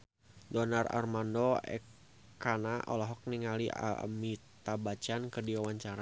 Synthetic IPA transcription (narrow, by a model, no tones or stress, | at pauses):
dɔnara̰rmandɔɛ̰k | kanaʔɔ̰lɔɦɔk̚niŋalia̰mit̪abat͡ʃankɨrdiwawaɲt͡ʃaɾa